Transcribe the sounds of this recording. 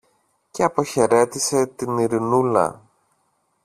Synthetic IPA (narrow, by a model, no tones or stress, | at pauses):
ce̞ɐpo̞çe̞ɾe̞t̪ise̞t̪iniɾinulɐ̰